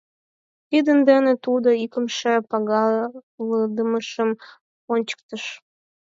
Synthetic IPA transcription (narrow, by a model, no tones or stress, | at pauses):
t̪id̪ənd̪enet̪ud̪oikəmʃepɑɣɑləd̪əməʃəm | onʲt͡ɕə̥k̚t̪əʃ